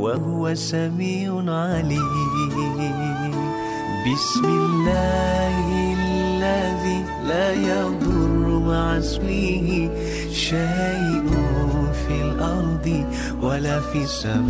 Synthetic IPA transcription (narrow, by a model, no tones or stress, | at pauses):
waɦʊwasamiːʕʊʕali | bɪsmɪlːaːhllːaðiː | laːjɑd̪ˤʊrˤːʊmaʕaswiːhɪ | ʃajʔʊfiːlʔɑɾˤd̪ˤɨ | walaːfiːsːab